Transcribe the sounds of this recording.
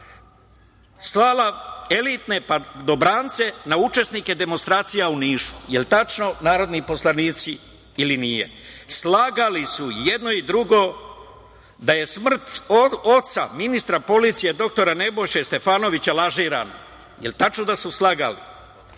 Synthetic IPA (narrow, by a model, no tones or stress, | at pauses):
slaːlae̞lit̪ne̞pad̪o̞bɾaːnt̪se̞naut͡ʃe̞snike̞d̪e̞monst̪ɾaːt̪sijauniːʃu̥jelt̪at͡ʃno̞naːɾo̞d̪nipo̞slˠaniːt̪si | ilinijḛslaːɡalisujed̪no̞id̪ɾuɡo̞ | d̪aje̞smr̩t̪oo̞t̪sa̰minist̪ɾapo̞lit̪sije̞d̪o̞k̚t̪o̞ɾane̞bo̞jʃast̪e̞faːno̞ʋit͡ɕalaʒiːɾa̰no̰ | jelt̪at͡ʃnod̪asuslaɡa̰lḭ